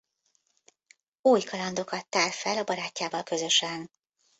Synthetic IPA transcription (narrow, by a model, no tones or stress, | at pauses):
uːjkʰɒlɒnd̪o̞kɒt̪ːaːrfɛlɒbɒɾaːcːaːvɒlkø̞zø̞ʃɛn